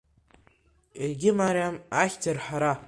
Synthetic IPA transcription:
irɡʲɪmaɾjamaχʲtʰarħaɾa

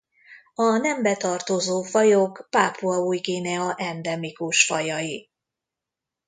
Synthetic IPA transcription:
ɒnɛmbɛt̪ɒrt̪ozoːfɒjokpaːpʰuɒuːjɡeːnɛɒʔɛnd̪ɛmikuʃfɒjɒji

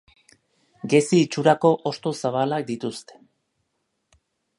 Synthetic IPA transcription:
ɡesiːt͡ʃuɾako̞ʔost̪o̞saβ̞alak̚d̪it̪ust̪e̥

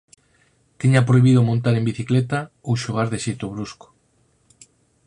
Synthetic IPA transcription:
t̪iɲapɾoiβiðomõnt̪aɾembiθiklet̪a | uʃoɣ̞aɾðeʃet̪oβ̞ɾusko̥

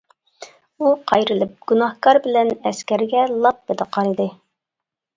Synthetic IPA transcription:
uqʰɑjɾɨlɪp̚ɡ̥unɑhkɑɾbɪlɛnɛskʲæɾɡʲɛlˠɑp̚bɪd̪ɨqɑɾɨd̪ɨ

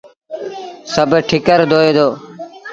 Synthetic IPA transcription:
səbʱʈʰɪkəɾd̪ʱoːeːd̪oː

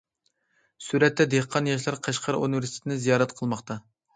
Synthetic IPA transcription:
suɾɛt̪ːɛd̪eqʰɑnjɑʃ̬lˠɑɾqʰɑʃqʰɑɾṵnɨvɪɾsit̪ʰɪt̪ʰɪnɪzijɑːɾɛt̪qʰəlˠmɑχt̪ʰɑ

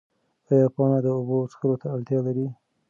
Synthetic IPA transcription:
ajɑpɑnad̪əobot͡sxəlot̪aːlt̪jɑlaɾi

